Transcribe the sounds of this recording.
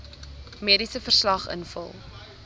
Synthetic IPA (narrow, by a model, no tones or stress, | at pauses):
miəɾisəfərslɐχə̰nfə̰lˠ